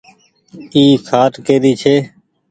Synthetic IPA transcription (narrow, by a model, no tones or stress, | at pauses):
iːkʰaːʈkeːd̪iːt͡ʃʰeː